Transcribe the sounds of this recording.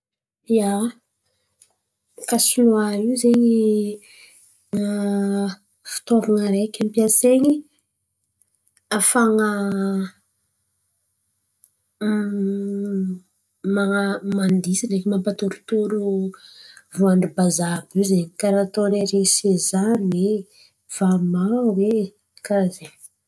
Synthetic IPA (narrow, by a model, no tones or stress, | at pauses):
ja | kasunuaɾiwzeɲi | ŋa | fi̥t̪avaŋəɾekʲampiaseɲi | afaŋə | mamand̪isinekimampat̪uɾut̪uɾu | vuaɳɖ͡ʐibazabuzeɲikaɾat̪oneɾeŋsezane | v̥amawe | kaze